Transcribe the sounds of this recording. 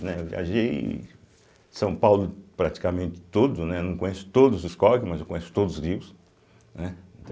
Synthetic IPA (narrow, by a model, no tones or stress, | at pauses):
nɛewvḭa̰ʒej | sɐ̃w̃pawlʊpɾat͡ʃi̥kamẽnt̪ɪ̥t̪od̪ʊnɛnɐ̃w̃kõɲesʊ̥t̪od̪ʊzʊskɔkɪmɐzewkõɲ̃esʊ̥t̪od̪ʊzʊzɡɾiws | nɛẽnt̪ɐ̃